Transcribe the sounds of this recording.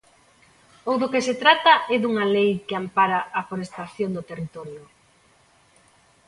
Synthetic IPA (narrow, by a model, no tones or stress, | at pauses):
owðokeset̪ɾat̪aɛðuŋalejkeampaɾaafoɾest̪aθjond̪ot̪erit̪ɔɾjʊ